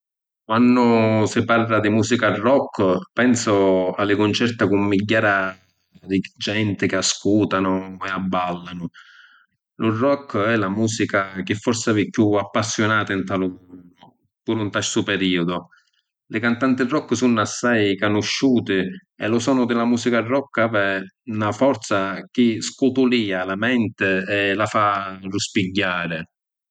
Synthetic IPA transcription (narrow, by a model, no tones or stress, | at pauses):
kwanːʊsɪparlad̪imuːzikarɔkːpɛnsʊalːɪkʊnt͡ʃɛrt̪akʊmːiɟːaːɾa | d̪id͡ʒɛnt̪ɪkɪaskuːt̪anʊɛabːalːanʊ | lʊrɔkːɛlamuːsikak̟ɪfːɔrsavikːjuapːasːjonaːt̪aint̪alʊmɔnːʊ | puɾunt̪aʃsʊpɛɾiːʊd̪ʊ | lɪkant̪ant̪ɪrːɔkːəsunːasːajkanʊʃːuːt̪ɪɛlʊsɔːnʊd̪ɪlamuːsikarːɔkːavɛnafɔɾt̪sak̟ɪskut̪uliːalamɛnt̪ɪɛlafaruspiɟːaːɾɪ